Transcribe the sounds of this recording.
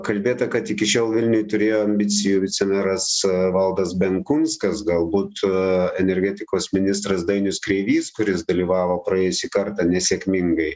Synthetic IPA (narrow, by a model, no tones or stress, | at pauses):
kɐlʲbʲeːt̪ɐkɐt̪ɪkʲɪʃʲoːlˠʋʲɪlʲnʲʊjʊt̪ʊɾʲeːjoːɐmʲbʲɪt͡s̪ʲɪjuːʋʲɪt͡s̪ʲɛmʲɛɾɐsʋɐlˠd̪ɐsbʲɛŋkʊnskɐsɡɐlˠbuːt̪ɛnʲɛɾʲɡʲæt̪ʲɪkoːsmʲɪnʲɪst̪ɾɐsd̪ɐɪnʲʊskɾʲɛɪʋʲiːskʊɾʲɪsd̪ɐlʲiːʋɑːʋoːpɾɐeːjʊsʲiːkɐɾt̪ɑːnʲɛsʲeɛkʲmʲɪŋɡɐɪ